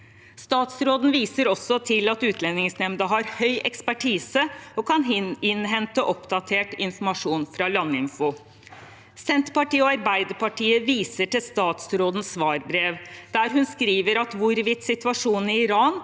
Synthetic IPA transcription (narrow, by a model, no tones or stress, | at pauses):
st̪ɑːt̪sɾoːd̪n̩ʋiːsəɾɔsːɔt̪ʰɪlɑt̪ʉːt̪ʰlɛnːɪŋsnɛmd̪əɦɑɾhœʏʔɛkspæʈʰiːsəɔkʰɑnɪnɦɛnt̪əʔɔpd̪ɑt̪ʰeːʈɪnfɔmɑʂuːnfɾɑlɑnːəɪnfɔ | sɛnt̪pɑʈiːəɔɑɾbæɪd̪əpɑʈiːəʋiːsəʈɪlst̪ɑːt̪sɾoːd̪n̩sʋɑːɾbɾeːʋd̪̥æːɾɦʉnskɾiːʋəɾɑt̪ʋʊɾʋɪt̪ːsɪt̪ʉɑʂuːnɪɪɾɑːn